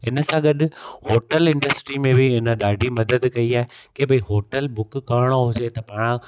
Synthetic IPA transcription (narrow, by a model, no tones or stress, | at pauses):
ɪnə̆sãɡɐɗʊ̆hoːʈəlɪ̃ɳɖəsʈɾimẽbʱɪɪnəɗaːɖʱimɐd̪əd̪kɐiaːɦekebɐiɦoːʈəlbʊkkaːɾɪɽ̃oɦʊd͡ʑet̪ɐpaːɽ̃ã